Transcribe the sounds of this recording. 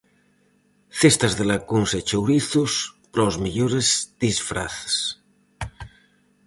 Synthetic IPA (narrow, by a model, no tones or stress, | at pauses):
θest̪azðelakunset͡ʃowɾiθuspɾozmiʎoɾezðisfɾa̰θe̥s